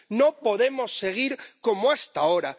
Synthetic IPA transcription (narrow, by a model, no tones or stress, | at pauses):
nõpoðemosːeɣ̞iɾkomoast̪aoɾa